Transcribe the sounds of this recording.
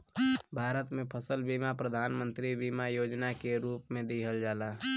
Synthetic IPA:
bʱaːɾət̪mẽpʰəsəlbimapɾəd̪ʱaːnmə̃nt̪ɾibiːmajoːd͡ʒnakeɾuːpmẽd̪iɦəld͡ʒaːla

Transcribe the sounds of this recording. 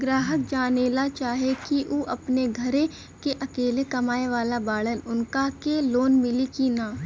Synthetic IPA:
ɡɾaːɦək̚d͡ʒaːneːlat͡ʃaːɦekiʔoːʔɐpneɡʱɐɾe | keʔɐkeːlekɐmaːeʋaːlabaːɭənʊnkakeloːnmɪlikinaː

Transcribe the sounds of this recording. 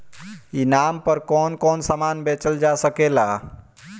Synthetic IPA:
inampəɾkɔnkɔnsəmanbet͡ʃəld͡ʒasəkela

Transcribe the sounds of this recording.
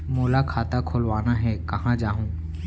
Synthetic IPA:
moːlakʰaːt̪akʰolʋaːnaɦɛːkɐɦãd͡ʒaːɦũː

